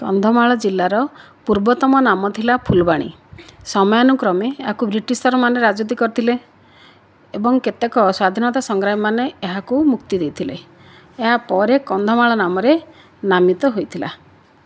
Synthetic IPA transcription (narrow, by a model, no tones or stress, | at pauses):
kɔ̰nd̪ʱɔmaɭɔd͡ʒilːaɾɔ | puɾbɔt̪ɔmɔnamɔt̪ʰilapʰulbaɽ̃ḭ | sɔmɔjɔnukɾɔmeːɦakubɾiʈist̪ɔɾɔmaneɾad͡ʒut̪ikɔɾit̪ʰile | ebɔŋket̪ekɔswad̪ʱinɔt̪asɔŋɡɾaimaneːɦakumukt̪id̪ejt̪ʰilḛ | eɦapɔɾekɔnd̪ʱɔmaɭɔnamɔɾe | namit̪ɔɦojt̪ʰila̰